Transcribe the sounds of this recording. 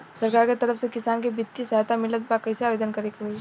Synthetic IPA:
sɐɾkaːɾket̪ɐɾəfsekɪsaːnkebɪt̪ːisɐɦat̪amɪlət̪̚bakɐjseaːʋeːd̪ənkɐɾekːe

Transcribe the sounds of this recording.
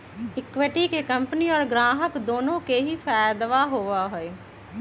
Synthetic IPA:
ɪkʋeʈiːkeːkəmpəniːɔːɾɡɾaːɦəkd̪oːnõːkeːɦiːpʰaːjd̪ʋaːɦoːʋaːɦoːeː

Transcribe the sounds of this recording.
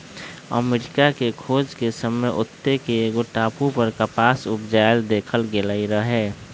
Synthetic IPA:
ə̰meːɾɪkakekʰoːd͡ʒkesəməjʔʊt̪ːekeːɡoʈaːpupəɾkəpaːsʊpd͡ʒajld̪eːkʰəlɡelaiɾəɦeː

